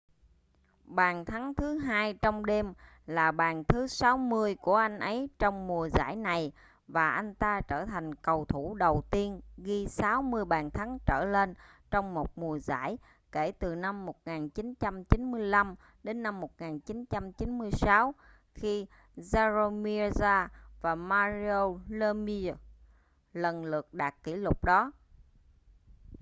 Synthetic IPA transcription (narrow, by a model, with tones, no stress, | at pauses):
ɓaː˨˩nt̪ʰa˨˦ŋt̪ʰɨ˨˦ɦaː˧jt͡ɕɔ˧wŋ͡mɗe˧m | laː˨˩ɓaː˨˩nt̪ʰɨ˨˦sa˨˦wmɨ˧əjku˧˩əʔa˧jŋ̟ʔə˨˦jt͡ɕɔ˧wŋ͡mmu˨˩əza̰ː˧˩jna˨˩j | vaː˨˩ʔa˧jŋ̟t̪aː˧t͡ɕəː˧˩t̪ʰa˨˩jŋ̟kə˨˩wt̪ʰu˧˩ɗə˨˩wt̪i˧ənɣi˧saː˨˦wmɨ˧əjɓaː˨˩nt̪ʰa˨˦ŋt͡ɕəː˧˩le˧nt͡ɕɔ˧wŋ͡mmo˨˩t̚mu˨˩əza̰ː˧˩j | ke˧˩t̪ɨ˨˩na˧mːo˨˩t̚ŋaː˨˩nt͡ɕi˨˦nt͡ɕa˧mt͡ɕi˨˦nmɨ˧əjla˧m | ɗe˨˦nːa˧mːo˨˩t̚ŋaː˨˩nt͡ɕi˨˦nt͡ɕa˧mt͡ɕi˨˦nmɨ˧əjsaː˨˦w | xi˧ | zaː˧zo˧mi˧zaː˧vaː˨˩maː˧zi˧o˧lə˧mi˧ | lə˨˩nlɨ˨˩ək̚ɗaː˨˩kkːḭ˧˩lʊ˨˩k͡p̚ɗɔ˨˦